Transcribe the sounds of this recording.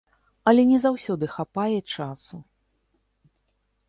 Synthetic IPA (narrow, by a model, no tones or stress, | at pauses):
ɐlʲɛnʲɛzawsʲɔd̪ɨxapajɛt͡ʂasu